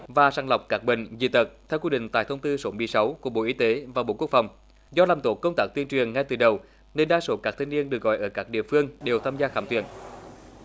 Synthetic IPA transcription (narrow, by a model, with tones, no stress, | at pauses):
vaː˨˩saː˧˩ŋla˨˩wk͡p̚kaː˦˥k̚ɓḭ˧˨ŋ̟zḭ˧˨˩t̪ə˨˩t̚t̪ʰɛ˧wkwi˧ɗḭ˧˨ŋ̟t̪aː˧˨˩jt̪ʰə˧wŋ͡mt̪ɨ˧so˨˦mɨ˨˧˩əsa˨˦wku˧˩ə˩ɓo̰˧˩ʔi˨˦t̪e˨˦vaː˨˩ɓo̰˧˨ku˦˥ək̚fa˨˩wŋ͡m | zɔ˧laː˨˩mt̪o˨˦kə˧wŋ͡mt̪aː˦˥k̚t̪i˧ənt͡ɕwi˨˩əŋːŋa˧jt̪ɨ˨˩ɗə˨˩w | ne˧nɗaː˧so˨˦kaː˦˥k̚t̪ʰi˧ŋni˧ənɗɨ˨˩ək̚ɣɔ̰˧˨jʔəː˧˩kaː˦˥k̚ɗḭ˧˨əfɨ˧əŋɗe˨˩wt̪ʰaː˧mzaː˧xaː˧˩mt̪wḭ˧˩ən